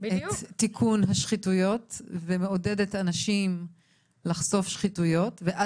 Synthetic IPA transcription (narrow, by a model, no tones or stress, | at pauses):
et̪ːikʰunɦaʃχitujo̞tvemeo̞dedetanaʃim | laχso̞fʃχitujo̞tveʔa